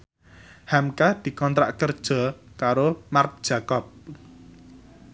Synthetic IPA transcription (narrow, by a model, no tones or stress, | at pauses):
hamkad̪̥i̤kɔnt̪ɾa̰ʔkərd̥ʒ̥ɔ̤kaɾomart̪̚d̥ʒ̥a̤kɔp̚